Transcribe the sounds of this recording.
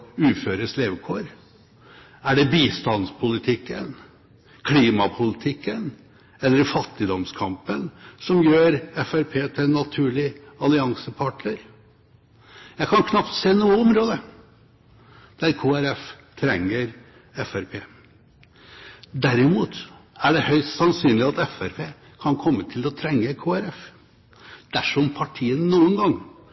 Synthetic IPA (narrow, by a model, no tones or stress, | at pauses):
ʉːføːɾəsleːʋəkʰoːɾ | æɖɛbiːst̪ɑnspʰʊlɪt̪ʰɪkːən | kʰliːmɑpʰʊlɪt̪ʰɪkːən | ɛlːəɾfɑt̪ːɪd̪ɔmskʰɑmpənsɔmjøːɾɛfæɾpʰeːt̪ʰɪɛnːɑt̪ʰʉːɭɪɑlɪɑŋsəpʰɑʈɳəɾ | jæɪkʰɑnkʰnɑpt̪seːnuːəɔmɾoːd̪ə | d̪̥æɾkʰuːæɾɛf | t̪ʰɾɛŋːəɾ | ɛfæɾpʰeː | d̪æɾɪmuːt̪æɖɛhœʏst̪sɑnsyːnlɪɑt̪ɛfæɾpʰeː | kʰɑnkʰɔmːət̪ʰɪlɔt̪ʰɾɛŋːəkʰoːæɾɛf | d̪̥æʂɔmpʰɑʈʰiːənnuːənɡɑŋ